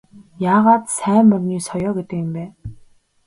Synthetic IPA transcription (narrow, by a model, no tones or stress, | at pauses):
jaːʁaːt̪sæːmɔrniːsɔjɔːɡet̪ə̆kɪ̆mpæː